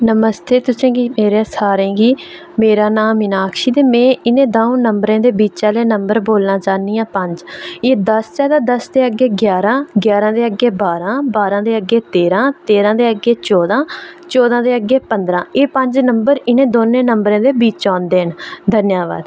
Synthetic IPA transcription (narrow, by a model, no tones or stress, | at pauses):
nəməst̪ʰeːt̪ʊsẽːɡiːmeːɾeːsaːɾẽːɡiː | meːɾaːnaːmɪnaːkʰʃiːt̪eːmɛ̃ːɪnẽːd̪aːõːnəmbɾãːd̪eːbiːt͡ʃaːleːnəmbəɾboːlnaːt͡ʃaːnːijãːpəɲd͡ʒeːd̪əst͡ʃɛːd̪aːd̪əsd̪eːəɡeːɡjaːɾãːɡjaːɾãːd̪eːəɡeːbaːɾãːbaːɾãːd̪eːəɡeːt̪eːɾãːt̪eːɾãːd̪eːəɡeːt͡ʃɔːd̪ãːt͡ʃɔːd̪ãːd̪eːəɡeːpənd̪ɾãːeːpəɲd͡ʒnəmbəɾɪnẽːd̪oːnːẽːnəmbɾãːd̪eːbiːt͡ʃãːnd̪eːɦənd̪ʱənjaːʋa̰ːd̪